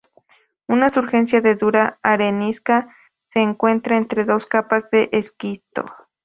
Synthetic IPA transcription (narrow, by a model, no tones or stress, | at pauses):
unasuɾxe̞nsjaðe̞ðuɾaːɾeniska | seːŋkwe̞nt̪ɾaent̪ɾeðo̞skapazðeʔeskit̪o̰